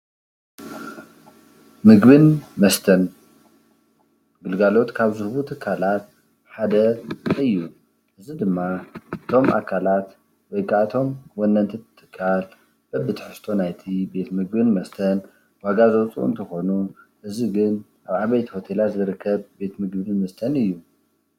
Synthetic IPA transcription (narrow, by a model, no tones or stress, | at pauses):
mɨɡbɨnmɐst̪ʰɐn | ɡɨlɡalo̞t̪kʰaβzɨɾbut̪ʰɨkʰːalat̪̚ | ħad̪ɐɨjːu | ʔɨzid̪ɨmːaɨt̪ʰo̞mʔa̰kʰalat̪ | wɔjkʼat̪ʰo̞mwɔndɐnt̪ʰit̪ʰɨ̥t̪ʰɨ̥kʰːal | b̥ɐbɨt̪ħɨst̪ʰo̞najt̪ʰibe̞t̪mɨɡbɨnmɐst̪ʰɐn | waɡazowt͡sʼṵɨ̰nt̪ʰɐxo̞nu | ʔɨziɡɨn | ʔaβaβɐjt̪ʰiho̞t̪ʰe̞lat̪zɨɾɨkʰːɐβbe̞t̪mɨɡbɨnmɐst̪ʰɐnɨjːu